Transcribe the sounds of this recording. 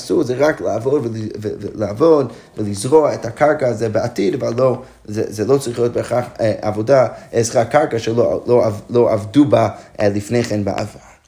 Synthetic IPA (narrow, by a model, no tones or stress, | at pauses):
suɾzɛʁaklˠəavɔdvɪvlˠəavɔd | vɪlˠizʁoaɛthakaɾkazɛbəatidavalːo | zɛ̰zɛlˠot͡sʁiχjot̚beχaχɛʔavɔdaɛzχakaɾkaʃɛloloalˠoʔavdubalˠifneχɛnba̰ʔa̰vaɾ